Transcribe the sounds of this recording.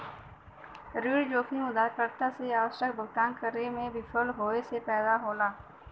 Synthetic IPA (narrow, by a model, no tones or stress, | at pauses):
ɾiːɽd͡ʒoːkʰimʊd̪aːkəɾt̪aseaːʋəʃək̚bʱəɡʈ̪aːnkəɾemẽʋɪfʰəlɦoːesepɛːd̪aɦoːlaː